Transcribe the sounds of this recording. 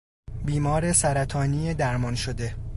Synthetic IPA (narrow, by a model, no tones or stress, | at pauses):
biːmɒːɾesæɾæt̪ʰɒːniːed̪æɾmɒnʃod̪e̞